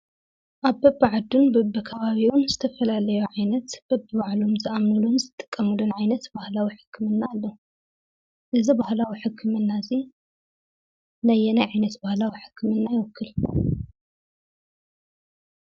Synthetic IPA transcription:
ʔaβbɐbaʕad̪unbɐbɐkʰɐβaβiwunzɨt̪ʰɐfɐlalɐjuʕajnɐt̪b̥ɐbːɨβaʕlomzɨʔamnɨlunzɨt̪ʼːɨ̥kʼːɐmɨlunʕajnɐt̪bahlawiħɨ̥kʰːɨmɨnːaːlːɐu | ʔɨzibahlawiħɨkʰːɨmɨnːazi | najːɛnajʕajnɐt̪bahlawiħɨ̥kːmɨnːajɪwɔkʰːɨl

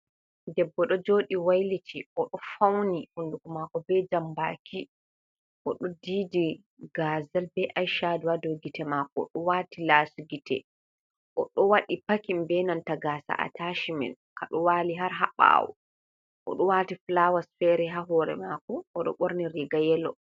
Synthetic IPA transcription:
dɛbːɔɗɔd͡ʒoɗiwajlitʰiʔɔɗɔfawnihundukumakɔbɛd͡ʒambakʰi | ʔɔɗɔdiːdi | ɡazalbɛʔajʃaduwadɔɡitɛmakɔ̰ɗɔwatilaːsuɡitɛ̰ | ʔɔɗɔwaɗipakimbɛnantaɡasa̰ʔa̰taʃimɛ̰nkaɗɔwaːliɦaɾɦaɓa̰ːwɔ̰ | ʔɔ̰ɗɔwatiflawasfɛɾɛɦaɦɔɾɛ̰makɔːɗɔ̰ɓoɾniɾiɡajɛlɔ̰

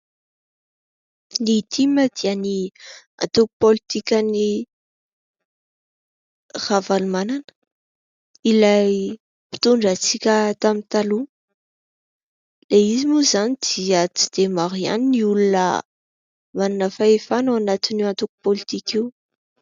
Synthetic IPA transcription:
nit̪ʰiməd̪̥iani | a̰nt̪uku̥polit̪ikʲəni | ravalumananə̥ | ilaj | pi̥t̪uɳɖ͡ʐat͡sikʲət̪amint̪alu | leizimuzanid̪̥iət͡si̥d̪̥emaɾia̰niniulunə̰ | mananəfaefanawanat̪iniant̪uku̥polit̪ikiw

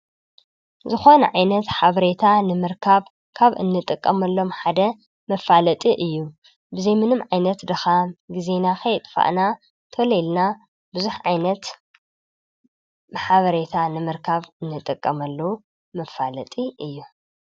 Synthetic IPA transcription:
zɨxo̞nɐ̰ʕajnɐt̪ħaβɐɾet̪ʰanɨmɨɾkʰaβ | kʰaβʔɨ̰nːɨt̪ʼɨkʼːɐmɐlːo̞mħad̪ɐ | mɐfalɐt̪ʼiʔɨjːu | bɨzejmɨnɨmʕajnɐt̪d̪ɨxamɡizenaxɐjt̪ʼfa̰ʔna | t̪ʰolelna | bɨzuħʕajnɐt̪ | bħaβɐɾet̪ʰanɨmɨɾkʰaβɨnːɨt̪ʼɨkʼːɐmɐlːɐwu | mɐfːalɐt̪ʼiʔɨjːu

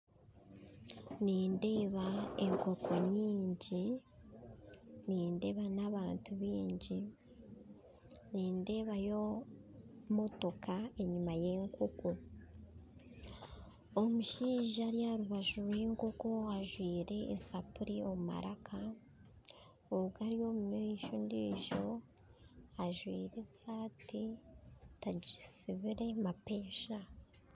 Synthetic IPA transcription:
niːnde̞ːβae̞ŋko̞kʰo̞ɲiːɲɟi | niːnde̞ːβanaβaːntʰuβiːɲɟi | niːnde̞ːβajo̞ | mo̞to̞kae̞ɲumaje̞ːŋkʰo̞ko̞ | omuʃiːʒaɾjaɾuβaʒuɾweːŋko̞ko̞aʒwiːɾe̞ːsapuɾio̞muma̰ɾʔakʰa | oɡaɾijo̞mumiʃondiːʒo̞ | aʒwiːɾesaːti | taɟisiβiɾe̞mape̞ːʃa

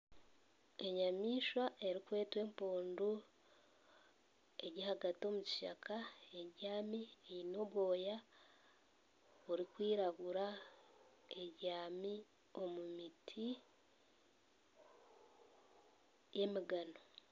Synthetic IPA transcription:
e̞ɲamiːʃwaʔe̞ɾikwe̞ːtwe̞ːmpoːndu | e̞ɟihaɡato̞ːmuci̥ʃa̰kʰae̞ɾaːmiejino̞βwo̞ːja | uɾikwiːɾaɡuɾa | e̞ɟaːmi | o̞mumitʰi | je̞miɡano̞

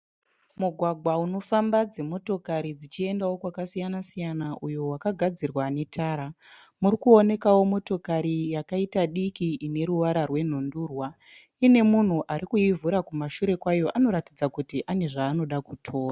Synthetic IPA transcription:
muɡʱwaɡʱwauno̞fambad͡ze̞mo̞to̞kaɾid͡zit͡ʃie̞ndawo̞kwakasijanasijanaʔujo̞wakaɡʱad͡zirwane̞tʰaːɾa | murikuo̞ne̞kawo̞mo̞to̞kaɾijakaitaɗikiːne̞ɾuʋaɾarwe̞n̤onduːrwa | ine̞mun̤uʔaɾikuivuɾakumaʃuɾe̞kwajo̞ʔano̞ɾatid͡zakutiʔane̞ʐaːno̞ɗakutʰo̞ːra

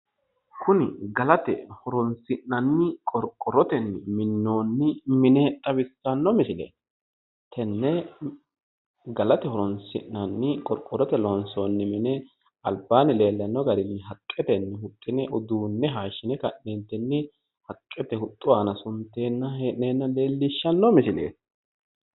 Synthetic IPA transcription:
kʊnɪɡɐlɐt̪ɛ̰hɔɾɔnsɪnːɐnːɪkʼɔɾkʼːɔɾɔt̪ɛnːɪmɪnːoːnːɪmɪnɛt̪ʼɐbɪsːɐnːɔmɪsɪlɛ̰ | t̪ʰɛnːɛ | ɡɐlɐt̪ɛhɔɾɔnsɪ̰ʔnɐnːɪkʼɔɾkʼːɔɾɔt̪ɛlɔnsoːnːɪmɪnɛ | ɐlbaːnɪle̞ːlːɐnːɔɡɐɾɪnːɪɦɐkʼːɛt̪ɛnːɛhʊt̪ʼːɪnɛʔʊd̪uːnːɛɦaːʃːɪnɛkɐʔnɛnt̪ːɛnːɪ | hɐkʼːɛt̪ɛhʊt̪ʼːʊaːnɐsʊnt̪ːe̞ːnːɐɦeːʔneːnːɐle̞ːlːɪʃːɐnːɔmɪsɪlḛːt̪

